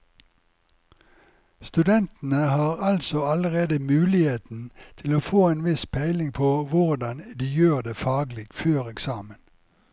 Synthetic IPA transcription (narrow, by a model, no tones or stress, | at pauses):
st̪ʉd̪ɛnt̪n̩əhɑːʁɑlsɔɑləʁeːd̪əmʉːlɪheːt̪n̩t̪ʰɪloːfoːeːnʋɪspʰæɪlɪŋpʰoːʋʊʁd̪ɑnd̪iːjøːʁd̪eːfɑːɡlɪɡføːʁɛksɑːmən